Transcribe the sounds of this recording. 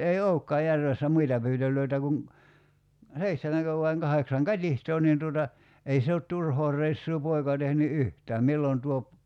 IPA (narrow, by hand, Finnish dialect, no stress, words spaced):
ei oukːɑː jærʋesːæ muitɑ pyːtølˑøitæ kuŋ seihtemæŋkø ʋɑiŋ kɑheksɑŋ kɑtʲihtoː nin tuotɑ ei se ot turhoː rˑeisːuː poikɑ tehny yhtæːm milːon tuop